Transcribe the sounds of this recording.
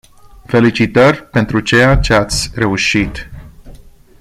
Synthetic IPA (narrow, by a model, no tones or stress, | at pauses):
fe̞lit͡ʃit̪ərʲpe̞nt̪ɾut͡ʃejat͡ʃeat̪sʲre̞uʃit̪